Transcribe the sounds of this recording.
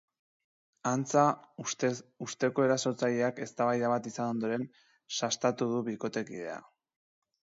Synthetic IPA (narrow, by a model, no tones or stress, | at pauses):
ant͡sa | ust̪e̞ko̞e̞ɾaso̞t͡saʎe̞ake̞st̪aβajðaβat̪isano̞nd̪o̞ɾe̞n | sast̪at̪uð̞uβiko̞t̪e̞kiðe̞a̰